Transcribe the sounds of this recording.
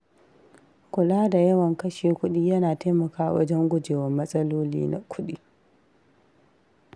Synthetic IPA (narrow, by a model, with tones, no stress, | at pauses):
kʷʊ˨laː˦da˨jɐ˦wɐ˨ŋkɐ˦ʃeː˨kʷʊ˦ɗiː˦jɐ˦naː˨ta˦mɐ˨kaː˦˨wɐ̰˦d͡ʒɛ˦ŋɡʷʊ˦d͡ʒeː˨wɐ˨mːɐ˦sʼɐ˦loː˦lḭː˦na̰˨kʷʊ˦ɗḭː˦